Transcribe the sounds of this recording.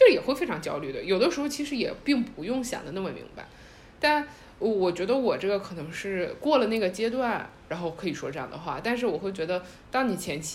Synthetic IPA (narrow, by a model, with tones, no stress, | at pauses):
t͡ɕo˥˩jɛ˨˩xwe˥ɪfe˥ɪʈ͡ʂʰɑ˧˥ŋt͡ɕjɑ˥ʊly˥˩d̪ə˩jo˨˩ʊd̪ə˦ʂɻ̩˧˥xo˧ʊt͡ɕʰi˧˥ʂɻ̩˧˥jɛ̰˨˩pi˥˩ŋpu˧˥jʊ˥˩ŋɕjɑ̰˨˩ŋd̪ə˦na˥˩mə˩mḭ˧˥ŋba̰˧ɪ | t̪a˥˩n | ə˧˩wɔ˨˩t͡ɕɥɛ˧˥d̪ə˧wɔ˨˩ʈ͡ʂɤ˥˩ɡə˩kʰɤ˨˩nɤ˧˥ŋʂɻ̩˥˩kwɔ˥˩lə˩na˥˩ɡə˩t͡ɕjɛ˥t̪̬wa˥˩nɻa˧˥nxo˥˩ʊkʰɤ˧˥i˨˩ʂwɔ̰˥ʈ͡ʂɤ˥˧jɑ̰˥˩ŋd̪ə˩xwa̰˥˩t̪a˥˧nʂɻ̩˥˩wɔ˨˩xwe˥˩t͡ɕɥɛ˧˥d̪ə˧ | t̪ɑ˥ŋni˨˩t͡ɕʰjɛ˧˥nt͡ɕʰ